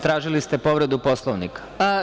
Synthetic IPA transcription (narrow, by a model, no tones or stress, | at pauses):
t̪ɾaːʒilist̪e̞po̞ʋɾe̞d̪upo̞slˠoʋnikḁ